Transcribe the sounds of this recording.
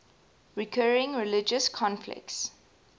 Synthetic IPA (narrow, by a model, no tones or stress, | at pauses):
ɹikʰɜːɹɪ̃ŋɹɪlɪd͡ʒəskʰɔ̃nflɪ̰k̚ts